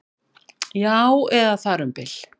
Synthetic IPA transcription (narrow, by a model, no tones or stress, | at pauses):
jawɛðaθaɾʏmpɪl̥